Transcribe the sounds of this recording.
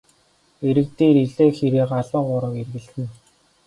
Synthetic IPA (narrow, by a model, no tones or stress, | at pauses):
eɾɘ̆k̚t̪eːɾiɮeːxeɾeːqaɮə̆ɴɢʊɾə̆kerɣɘ̆ɮtɘ̆n